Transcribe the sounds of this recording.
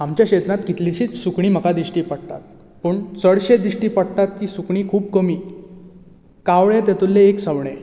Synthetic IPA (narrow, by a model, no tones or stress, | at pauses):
amt͡ɕjakɕet̪ɾãt̪kit̪liɕiːt͡ssukɳiːm̤əkad̪iɕʈiːpəɽt̪a̰t̪̚ | pəɳt͡səɽɕed̪ɾiɕʈiːpəɽt̪at̪ːiːsukɳiːkʰuːp̚kəmiː | kaʋɭet̪jɛt̪ulːeːksəʋɳe